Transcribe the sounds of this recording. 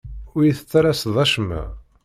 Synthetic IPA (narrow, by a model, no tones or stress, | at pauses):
ʊɾjiθə̥t͡sːaɾasðˤɑʃmæ̰